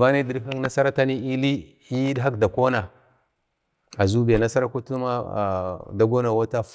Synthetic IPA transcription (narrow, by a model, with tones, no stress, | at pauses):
va˦ne˦di˨ɾa˦ŋ˦na˦sa˦ɾa˦ta˦ni˦i˦li˦ | i˦ɗɦa˦kda˨ko˦na˨ | a˨zu˦ba˨na˦sa˦ɾa˦ku˦tu˦ma˦˨ | da˦ɡo˦na˨wa˦ta˦f